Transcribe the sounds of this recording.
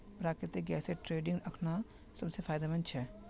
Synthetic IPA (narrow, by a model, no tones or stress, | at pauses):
pɾaːkɾɪt̪ɪk̚ɡɛːseʈɾeːɖɪ̃ŋɡɐkʰna | sɐbsefʰaːjd̪amɐnt͡ʃʰɛ